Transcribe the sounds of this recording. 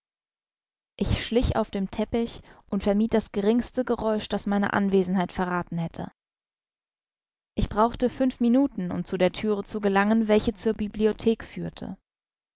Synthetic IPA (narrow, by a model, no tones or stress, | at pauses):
ʔɪçʃlɪça̰ʊfd̥eːmtʰɛpɪçʔʊntfɛɐmiːt̚d̥asɡ̥əʁɪŋstəɡəʁɔʏʃd̥asmaɪnə̰ʔa̰nveːzn̩ɦaɪtfɛɐʁaːtn̩hɛtʰə̰ | ʔɪçb̥ʁaʊxtəfʏnfminuːtn̩ʊ̰mt͡sudeːɐtʰyːʁ̞ət͡suɡəlaŋənvɛlçət͡suːɐbibliotʰeːkfyːɐtʰə̰